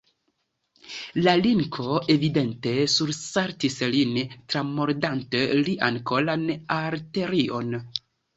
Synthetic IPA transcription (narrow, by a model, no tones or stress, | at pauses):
laliŋkʰo̞e̞vide̞ntesuɾsaɾtislintɾamoɾdanteliʔankolanaɾte̞ɾio̞n